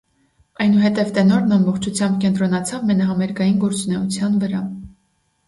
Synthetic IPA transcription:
ɑjnuɦɛt̪ɛvt̪ɛnɔɾnɑmbɔχt͡ʃʰut͡sʰjɑmbkɛnt̪ɾɔnɑt͡sʰɑvmɛnɑɦɑmɛɾɡɑjinɡɔɾt͡sunɛut͡sʰjɑnvəɾɑ

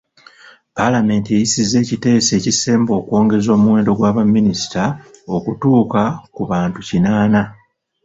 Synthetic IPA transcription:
palame̞ːntiejisize̞ːcite̞ːse̞ːcise̞ːmbo̞ːkwo̞ːŋɡe̞zo̞ːmuwe̞ːndo̞ɡwaːβamːinisi̥tao̞kutuːkakuβaːntucinaːna

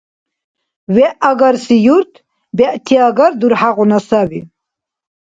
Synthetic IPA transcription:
vɛʔaɡaɾsijuɾt̪ʰ | bɛʔt̪ʰiaɡaɾd̪uɾħaʁunasabḭ

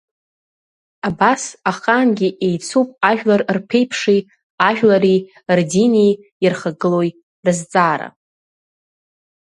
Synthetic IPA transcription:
abasaχaːnɡʲiʔe̞jt͡sʰupʼaʒᶣlarrpʰe̞jpʰʂej | aʒᶣlaɾi | rdinej | irχaɡɨlo̞j | rɨzt͡sʼaːɾa̰

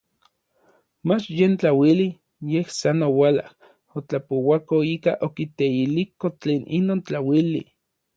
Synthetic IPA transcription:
mat͡ʃjent͡ɬawili | jehsanowala̰h | ot͡ɬapowakoiːkaʔokit̪eilikot͡ɬeːnʔḭnoːnt͡ɬawilḭ

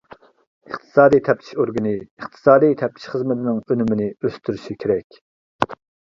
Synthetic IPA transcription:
əχt̪ʰɨ̥sɑːd̪ijt̪ʰɛp̚t̪ʰi̥ʃoɾɡɨnɨəχt̪ʰɨ̥sɑːd̪ijt̪ʰɛp̚t̪ʰi̥ʃχəzmɪt̪ʰɪnɪŋønymɪnɪøst̪ʰyɾyʃikʲʰeɾɛkʲ

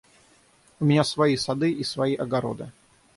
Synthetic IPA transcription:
ʊmʲɪnʲasvɐisɐd̪ɨʔisvɐiʔɐɡɐɾo̰d̪ɨ̰

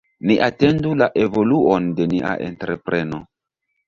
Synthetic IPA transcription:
niʔate̞ndulaʔe̞vo̞luonde̞niʔa̰ʔḛntɾe̞pɾe̞no̞

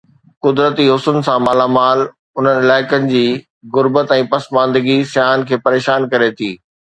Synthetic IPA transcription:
kʊd̪ɾət̪iɦʊsʊn̆sãmaːlamaːl | ʊn̤ənɪlaːɪkənɪ̆d͡ʑiː | ɣʊɾbət̪ɛ̃ːpɐsmãːnd̪əɡisjaːnkʰeːpɐɾeːʃaːnkɐɾet̪ʰiː

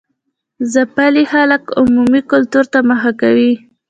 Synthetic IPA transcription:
zapalixalakʊmumikʊlt̪uɾt̪amaxakawi

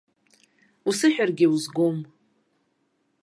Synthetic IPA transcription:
usɨħᶣarɡʲɪuzɡom

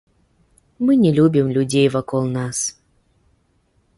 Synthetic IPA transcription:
mɨnʲɪlʲubʲɪmlʲʊdʲejvɐkolˠnas

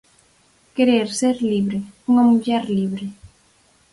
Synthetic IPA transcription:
keɾeɾseɾliβɾeuŋɐmuʎɛɾliβɾɪ

